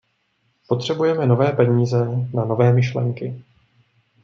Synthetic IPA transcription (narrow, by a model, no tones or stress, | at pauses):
po̞t̪r̝̥ɛbujɛmɛno̞vɛːpɛɲiːzɛnano̞vɛːmɪʃlɛ̰ŋkɪ